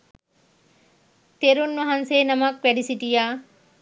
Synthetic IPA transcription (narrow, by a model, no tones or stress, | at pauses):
t̪eɾunʋɐɦɐnseːnɐmɐk̚pɛɖisiʈija